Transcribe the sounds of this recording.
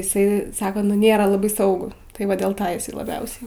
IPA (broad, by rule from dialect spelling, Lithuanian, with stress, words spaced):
ɪˈsɐɪ ˈsɑːkoː nʊ ˈnʲeːrɐ lˠɐˈbɐɪ ˈsɐʊɡʊ tɐɪ ˈʋɐ dʲeːlˠ ˈɪs lˠɐˈbʲɛʊsʲɛɪ